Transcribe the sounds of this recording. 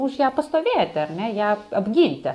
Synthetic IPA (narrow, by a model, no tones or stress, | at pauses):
ʊʃjæːpɐst̪oːʋʲeːjt̪ʲɪɐrʲnʲɛjæːɐbʲɡʲiːnʲt̪ʲɪ